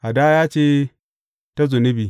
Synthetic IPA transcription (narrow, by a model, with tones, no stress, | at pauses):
ʔa˨da˦jaː˦t͡ʃeː˦ | ta˦zʊ˨nɪ˦bi˨